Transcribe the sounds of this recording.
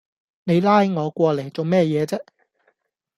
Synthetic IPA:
ne˨˧jlaː˥jŋɔː˨˧kʷɔː˧le˨˩jt͡so˨wmɛː˥˧jɛː˨˧t͡sɛː˥

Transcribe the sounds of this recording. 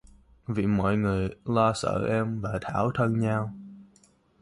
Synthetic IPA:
vḭ˧˨mɔ̰˧˨jŋɨ˨˩əjlɔ˧sə̰ː˧˨ʔɛ˧mvaː˨˩t̪ʰaː˧˩wt̪ʰə˧nɲaː˧w

